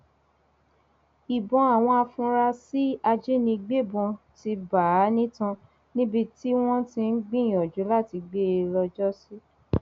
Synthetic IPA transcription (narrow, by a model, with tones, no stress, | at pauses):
i˨bɔ̃˨˦a˨w̃ɔ̃˧a˧fũ˧ɾa˧si˦a˧d͡ʒe˦nĩ˧ɡ͡be˦˨bũ˧ | ti˧ba˨˦nĩ˦tã˧ | nĩ˦bi˧ti˦w̃ɔ̃˦tĩ˧n̩˦ɡ͡bĩ˦˨j̃ɔ̃˨d͡ʒu˨˦la˦˨ti˧ɡ͡be˦˧lɔ˧d͡ʒɔ˦si˦